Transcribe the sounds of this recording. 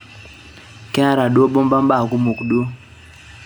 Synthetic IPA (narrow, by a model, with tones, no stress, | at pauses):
kɛ˦a˦ɾa˨ɗo˦bɔ˦mba˦mba˦˨ku˦mu˨kɗu˦o˦